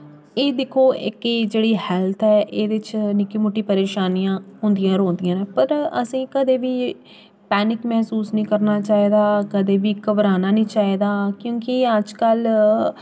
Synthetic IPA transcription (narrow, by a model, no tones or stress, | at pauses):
eːd̪ɪkʰːoːʔɪ̰ked͡ʒeːɽiːhɛːlt̪ʰɛːʔeːd̪ɪt͡ʃnɪkiːmʊʈːiːpəɾeːʃaːnijãːɦʊ̃nd̪ijãːɾõːnd̪ɪjãːnẽːpəɾəsĩːkəd̪eːʋiː | pɛːnɪkmɛːsuːsnĩːkəɾnaːt͡ʃaːiːd̪aːkəd̪eːʋiːkəbɾaːnaːnĩːt͡ʃaːiːd̪aːkjõːkɪəd͡ʒkəl